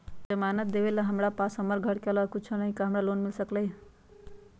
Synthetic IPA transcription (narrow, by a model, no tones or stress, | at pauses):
d͡ʒəmanət̪̚d̪ebelaɦəmɾapasɦəməɾɡʱəɽkeləkut͡ʃʰənəɦĩkaɦəmɾalonmilsəkləj